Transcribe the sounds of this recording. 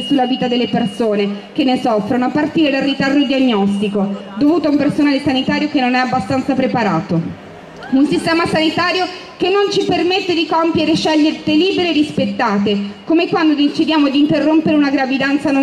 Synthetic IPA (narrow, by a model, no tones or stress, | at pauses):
sulːaviːt̪ad̪elːepersoːnek̟enːesɔfːɾonoapːart̪iːɾed̪alrit̪ard̪od̪iaɲːɔst̪ikod̪ovuːt̪oaumpersonaːlesanit̪aːɾjokenːonɛabːast̪ant̪sapɾepaɾaːt̪o | unsist̪ɛːmasanit̪aːɾjo | kenːont͡ʃipermet̪ːed̪ikompjeɾeʃɛʎːeɾt̪eliːbeɾerispet̪ːaːt̪ekomekwand̪od̪int͡ʃid̪jaːmoad̪int̪erːompeɾeunaɡɾavid̪ant̪sano